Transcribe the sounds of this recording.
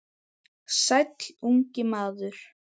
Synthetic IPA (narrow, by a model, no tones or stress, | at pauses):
sajt̪luɲcɪmaːðʏɾ̥